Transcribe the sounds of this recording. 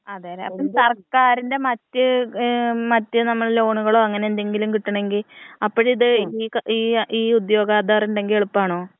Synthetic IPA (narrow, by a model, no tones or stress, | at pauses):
ɐðeːɾeɐ̰pːoɭsɐrkaːɾinde̞mɐtːɨ | mɐtːɨnɐmːɐɭlo̞ːɳuɣɐɭo̞ːɐŋːɐneend̪e̞ŋɡilumkiʈːɐɳe̞ŋɡilɐpːoɻiðɨiːkiːiːud̪jo̞ːɡaːd̪aːrinɳɖe̞ŋɡileɭupːaːɳo̞ː